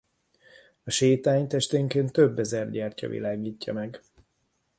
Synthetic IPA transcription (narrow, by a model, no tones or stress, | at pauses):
ɒʃeːt̪aːɲt̪ɛʃt̪eːŋkeːnt̪ːøbːɛzɛrɟaːrcɒ̰vḭlaːɡiːcːɒ̰mɛɡ